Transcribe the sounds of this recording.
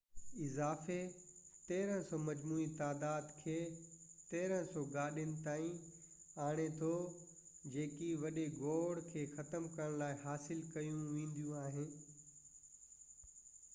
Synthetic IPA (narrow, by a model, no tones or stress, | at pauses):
ɪzaːfe | t̪eːɾə̃sɔmɐd͡ʑmuːit̪aːd̪aːd̪kʰeːt̪eːɾə̃sɔɡaːɗijənɪ̆t̪aːĩ | aːɽ̃et̪ʰo | d͡ʑeːkiʋɐɗeɡoːɽkʰeːxɐt̪əmkɐəɽ̃laːɪɦaːsɪlkɐjũʋẽːn̆d̪ijũaːɦɪnɪ